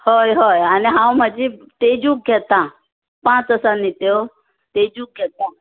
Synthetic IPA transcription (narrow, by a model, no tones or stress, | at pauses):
hojɦojaniɦãõmãd͡ʑit̪ed͡ʑũːk̚ɡʱet̪ã | pãt͡səsãnit̪eo | t̪ed͡ʑuːk̚ɡʱet̪ã